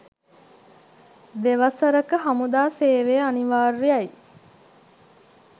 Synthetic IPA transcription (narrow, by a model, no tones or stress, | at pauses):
d̪eʋɐsəɾəkəɦɐmud̪aːseːʋeaniʋaːɾːijɐj